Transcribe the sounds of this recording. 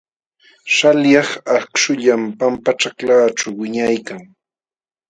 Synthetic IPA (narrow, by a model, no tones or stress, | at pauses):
ʃaljɑχakʃʊʎampampat͡ʃaklaːʈ͡ʂawwɪɲajkaŋ